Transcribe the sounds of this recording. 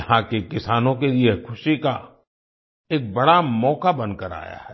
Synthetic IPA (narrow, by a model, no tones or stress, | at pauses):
ɐɦãkekɪsaːnõkeliekʰʊʃika̰ | eːk̚bɐɽamɔːkabɐ̃nd̪̚kəɾa̰ːja̰ɦɛː